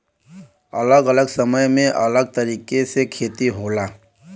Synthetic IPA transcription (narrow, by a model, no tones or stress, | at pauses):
ɐ̰ləɡələɡsəməjmẽʔɐləɡ̚t̪əɾiːkesekʰeːt̪iɦoːlaː